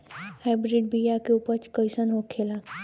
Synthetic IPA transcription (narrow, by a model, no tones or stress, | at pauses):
haːbɾiɖ̚bijakeuːpəɾt͡ʃkəɪsənɦokʰeːla